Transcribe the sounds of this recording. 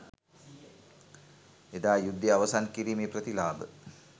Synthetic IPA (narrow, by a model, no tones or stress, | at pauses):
ed̪aːjud̪ʱːjeɐʋɐsankiɾiːmeːpɾɐt̪ilaːbə̰